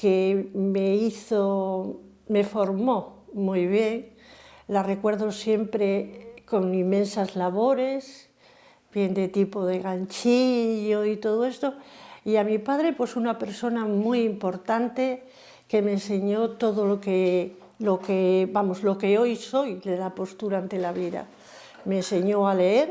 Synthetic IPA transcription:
keme̞iθo | me̞fo̞ɾmo̞mujβje̞ŋ | lare̞kwe̞ɾðo̞sje̞mpɾe̞ko̞nimːẽ̞nsazlaβ̞o̞ɾe̞s | bje̞nd̪e̞t̪ipo̞ðe̞ɣant͡ʃiʎoit̪o̞ðoe̞st̪o̞iamipað̞ɾe̞pwe̞sunape̞ɾso̞namujimpo̞ɾt̪ant̪e̞ | ke̞me̞nse̞ɲo̞t̪o̞ðoloke | lo̞kebamozlo̞ke̞o̞jso̞jðe̞lapo̞st̪uɾant̪e̞laβ̞iða̰ | mense̞ɲo̞ale̞eɾ

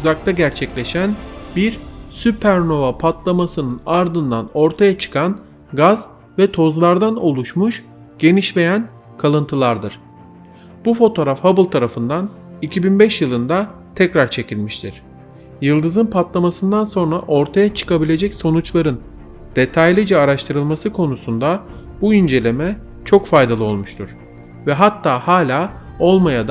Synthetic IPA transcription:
uzak̚t̪ʰaɟæɾt͡ʃʰɛclʲe̞ʃænbiɾsypʰæɾno̞vapʰat̪lˠamasɯnɯnaɾd̪ɯnd̪ano̞ɾt̪ʰajat͡ʃʰɯ̥kʰan | ɡaz | vɛt̪ʰo̞zlˠaɾd̪ano̞lˠuʃmuʃ | ɟ̥e̞niʃve̞jæn | kʰalˠɯnt̪ʰɯlˠaɾd̪ɯɾ̥ | b̥ufo̞t̪ʰo̞ːɾafhabɯlˠt̪ʰaɾafɯnd̪an | icʰibinbɛʃjɯlˠɯnd̪at̪ʰɛcɾaɾt͡ʃʰe̞cʰilʲmiʃt̪ʰiɾ̥ | jɯlˠd̪ɯzɯnpʰat̪lˠamasɯnd̪anso̞nɾaʔo̞ɾt̪ʰajat͡ʃʰɯ̥kabilʲe̞d͡ʒɛcso̞nut͡ʃlˠaɾɯn | d̪̥e̞t̪ʰajlʲid͡ʒɛaɾaʃt̪ʰɯɾɯlˠmasɯkʰo̞nusund̪a | buind͡ʒe̞lʲe̞mɛ | t͡ʃʰo̞kfajd̪alˠɯo̞lˠmuʃt̪ʰuɾ̥ | vɛɦat̪ʰːaːhaːlʲaː | o̞lˠmajad̪

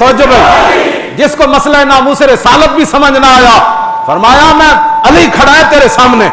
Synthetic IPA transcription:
tɐʋəd͡ʒʊbɐĩ | d͡ʒɪskomɐslaenaːmuːseɾesaːlət̪̚bʱisɐməd͡ʒʱnaojaː | fɐɾmaːjamɛ̃ːɐlikʰɐɽaːẽt̪eːɾesaːmne

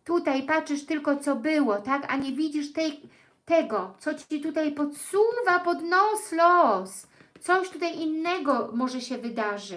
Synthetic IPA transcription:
t̪ut̪ajpat͡ʂɘʂt̪ɘlkɔt̪sɔbɘwɔt̪aka̰ɲɛvʲid͡ʑiʂt̪ɛj | t̪ɛɡɔt̪sɔt͡ɕit̪ut̪ajpɔt̪suvapɔd̪nɔslɔs | t̪sɔɕt̪ut̪ajʔinːɛɡɔmɔʐɛɕɛvɘd̪aʐɘ

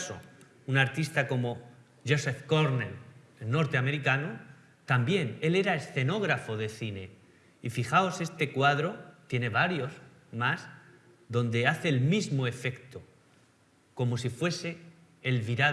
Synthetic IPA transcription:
so̰ | unaɾt̪ist̪ako̞mo̞ | ʝosefkoɾnel | elno̞ɾt̪eame̞ɾikano | t̪ambje̞ne̞le̞ɾaesθe̞no̞ɣ̞ɾafo̞ðe̞θine̞ | ifixao̞se̞st̪ekwaðɾo̞t̪je̞ne̞βaɾjo̞z | mas | ðo̞nd̪e̞aθe̞ːlmizmoe̞fe̞kt̪o | ko̞mo̞sifwe̞se̞ː | lβiɾa

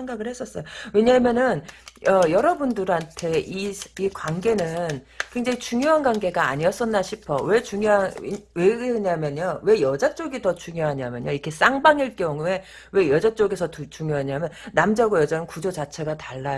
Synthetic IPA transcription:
eŋɡaɡɯɭhes͈ʌs͈ʌjoowe̞ɲamjʌnɯnʌjʌɾʌbundɯɾɦantʰe̞isikwanɡe̞nɯnkwe̞ŋd͡ʑaŋit͡ɕuŋjoɦanɡwanɡe̞ɡaa̰ɲiʌs͈ʌnːaɕʰipʰʌwe̞t͡ɕuŋjoɦanweɲamjʌɲowe̞jʌd͡ʑat͡ɕ͈oɡitʌt͡ɕuŋjoɦaɲamjʌ̰ɲoikʰe̞s͈aŋbaŋiɭk͈eoŋue̞ | we̞jʌd͡ʑat͡ɕ͈oɡe̞sʰʌtut͡ɕuŋjoɦaɲamjʌnnːamd͡ʑaɡojʌd͡ʑanɯnkud͡ʑod͡ʑat͡ɕʰe̞ɡataɭːao

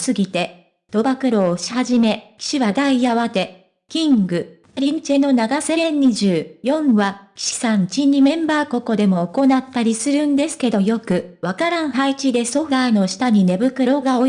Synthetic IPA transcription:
sɨɡʲit̪e̞ | d̪̥o̞bakɯ̟ɾo̞ːɕi̥haʑime̞kʲi̥ɕiβad̪aiaβat̪e̞ | kʲĩŋɡɯ̟ | aɾʲĩɲt͡ɕe̞no̞naɡase̞ɾẽɲːiʑɨːjõ̞ɰ̃βakʲi̥ɕi̥sãɲt͡ɕiɲ̟imẽ̞mbaːko̞ko̞d̪e̞mo̞ːko̞nat̪ːaɾʲisɨɾɯ̟̃nd̪e̞sɨ̥ke̞d̪o̞jo̞kɯ̟βakaɾãɰ̃ɦait͡ɕid̪e̞so̞ɸaːno̞ɕi̥t̪aɲ̟ine̞bɯ̟kɯ̟ɾo̞ɡao

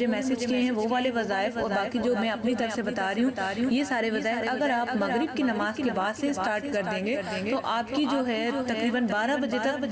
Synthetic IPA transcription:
emɛːsɪd͡ʒkiẽɦɛ̃ʋoʋaːleʋɐzaːɪfɔːɾbaːkid͡ʒoːmɛ̃ɐpnit̪ɐɾəfsebɐt̪aːɾiɦũɦũjesaːɾeʋɐzaɦɐɡəɾaːpmɐɣɾɪb̚kinɐmaːzkebaːd̪sesʈaːɾʈkɐɾd̪ẽːŋɡeːt̪oʔaːpkid͡ʒoːɦɛt̪ɐkɾiːbənbaːɾabɐd͡ʒet̪ɐk

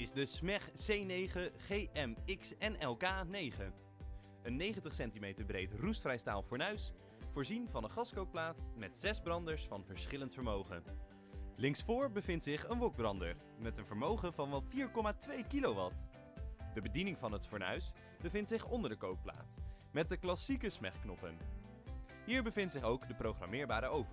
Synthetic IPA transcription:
ɪzdəsmɛχsejnejχəχejʔɛmɪksɛnɛlˠkaːnejχə | ənːejχəntəχsɛntimejtəɹbrejtrustfrɛjsta̰ːlˠfʊːɹnœɥs | fʊːɹzinvɑnənχɑskowk̚plaːtmɛtsɛzbrɑndəɹsfɑnvəɹsχɪləntfəɹmowχə̰ | lɪŋsfʊːɹbəvɪntsɪχənʋɔɡ̚brɑndə̰ɹ | mɛtənvəɹmowχəvɑnʋɛlˠfiːɹkɔmaːtʋejkilowʋɑt | dəbədinɪŋvɑnɦətfʊːɹnœ̰ɥs | bəvɪntsɪχɔndəɹdəkowk̚pla̰ːt | mɛt̚dəklɑsikəsmɛ̰χknɔpə̰n | ɦiːɹbəvɪntsɪχowkdəprowχrɑ̰mɪːɹbaːɾəʔowvə

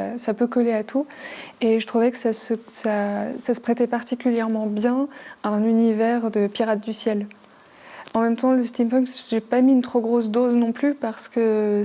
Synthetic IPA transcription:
sapøkɔleat̪ʰueʒət̪χuvɛkə̥sasəsasasə̥pχet̪ɛpaʁt̪ikʲyljɛʁmɑ̃bjɛ̃aɛ̃nynivɛʁd̪əpiʁat̪̚d̪ysjɛl | ɑ̃mɛmt̪ɑ̃ləst̪impɔ̃kʒepamiynt̪χoɡʁosd̪oznɔ̃plypaʁsə̥kə

